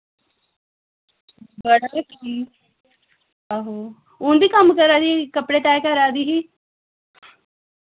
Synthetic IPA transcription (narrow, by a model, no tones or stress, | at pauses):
bəɽaːkii | aɦoː | ʊnd̪iːkəmkəɾaːd̪iːkəpɽeːt̪ɛːkəɾaːd̪iːɦiː